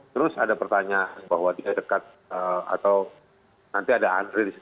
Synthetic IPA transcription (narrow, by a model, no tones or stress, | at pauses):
t̪əɾʊsadapərt̪aɲaanbaɦwadiadəkat̪̚ | əa̰t̪aw | nant̪iadaandɾidisi